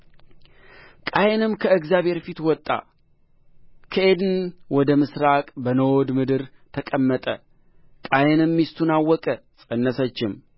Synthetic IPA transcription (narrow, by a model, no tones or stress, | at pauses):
kʼajɛnɨmkʰəɨɡzjaβhe̞ɾfit̪wɔt̪ʼːa̰ | kʰəʔe̞d̪ɨnwɔd̪əmɨsɾakʼbənəwod̪mɨd̪ɨɾt̪ʰəkʼəmːət̪ʼə | kʼajɛnɨmːist̪ʰunawːɔkʼəsʼənːəsət͡ʃːɪm